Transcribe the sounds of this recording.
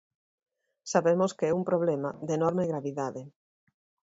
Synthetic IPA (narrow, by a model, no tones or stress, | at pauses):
saβemoskeɛumpɾoβ̞lɛmaðenɔɾmeɣɾaβiðaðe